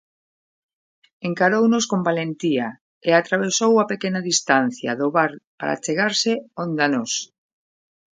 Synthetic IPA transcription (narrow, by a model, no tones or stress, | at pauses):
eŋkaɾownoskombalent̪ia | eat̪ɾaβ̞esowapekenaðist̪an̟θja̰ðoβaɾpa̰ɾa̰t͡ʃeɣaɾseond̪anɔs